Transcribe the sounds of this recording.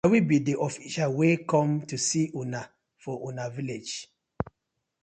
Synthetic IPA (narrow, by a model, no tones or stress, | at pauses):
awibidiʔɔfiʃawekɔ̃mtusiʔuna | fɔʔunaviled͡ʒ